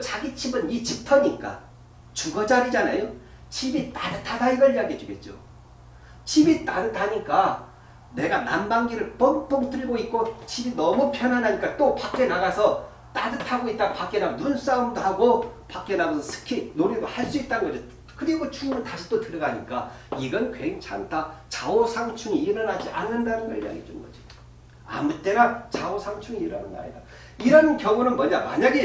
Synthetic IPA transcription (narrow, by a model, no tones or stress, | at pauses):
t͡ɕaɡit͡ɕʰibɯnit͡ɕip̚tʰʌɲik͈a̰ | t͡ɕuɡʌd͡ʑaɾid͡ʑanajo | t͡ɕibit͈adɯtʰadaiɡʌɭiaɡed͡ʑoɡe̞t̚t͡ɕ͈o̰ | t͡ɕibit͈adɯtʰaɲik͈a | ne̞ɡanambaŋɡiɾɯɭp͈ʌmp͈ʌŋt͈ɯɭɡoit̚k͈ot͡ɕibinʌmupʰjʌnɦanɦaɲik͈at͈opak͈e̞naɡasʰʌ | t͈adɯtʰaɡoit̚t͈aɡapak͈e̞naɡonuns͈aumdohaɡopak͈e̞naɡasʰʌsʰɯ̥kʰinoɾidohaɭs͈uit̚t͈anɯnɡʌd͡ʑʌt | kɯɾiɡot͡ɕuŋnɯntaɕʰi̥t͈otɯɾʌɡaɲik͈a | iɡʌnkweŋt͡ɕʰa̰ntat͡ɕaosʰaŋt͡ɕʰuŋiːɾʌnɦad͡ʑiʔa̰nːɯndanɯnkʌ̰ɭːa̰ɡḭt͡ɕomɡʌd͡ʑi̥ | a̰mut͈e̞ɾant͡ɕaosʰaŋt͡ɕʰuŋiɾʌnɯ̰na̰ɲḭda | iɾʌnkjʌŋunɯnmʌɲama̰ɲaɡe